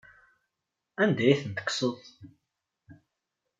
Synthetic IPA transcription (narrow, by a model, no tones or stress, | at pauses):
ænd̪æjiθənt̪ə̥ksəðˤ